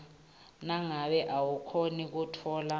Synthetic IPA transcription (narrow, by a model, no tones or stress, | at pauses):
naŋaɓɛʔawukʰonik̬utʰɔːla